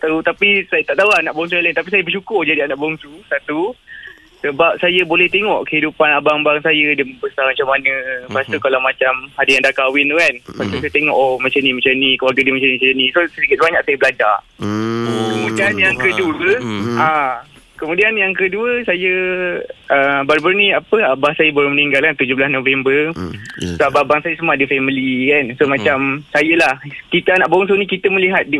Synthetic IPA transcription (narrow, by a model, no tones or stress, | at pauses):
t̪aut̪apisajt̪aʔt̪auanaʔbɔŋsuajlaint̪apisajəbəʃukʊrd͡ʒadianaʔbɔŋsusat̪u | səbap̚sajəbolɛht̪eŋɔʔkəhidupanabaŋbaŋsajədəməbəsamat͡ʃamːanə̃past̪ukalawmat͡ʃamhadəjaŋdakawɪnt̪ukanpat̪usajat̪eŋɔ̰ʔomat͡ʃanĩmat͡ʃanikəwaɡadiəmat͡ʃanit͡ʃajənĩsosədikɪt̪̚baɲaʔ̚sajəbəlad͡ʒa̰ | kəmudianjaŋkəduəʔa | kəmudianjaŋkəduəsajə | ʔəbaɾubaɾunĩapəabahsajəboɾuhməniŋɡalkant̪ud͡ʒobəlasnõvɛmbərsababaŋsajəsəmaadəfɛmilikansomat͡ʃamsajəlahkit̪əanaʔbaʊŋs̬onĩkit̪əməliɦat̪̚di